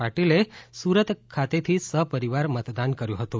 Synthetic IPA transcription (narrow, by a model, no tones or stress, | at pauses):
aʈilesuɾət̪kʰːat̪et̪ʰisəpəɾiʋaɾmət̪d̪ankəɾjũɦət̪ũ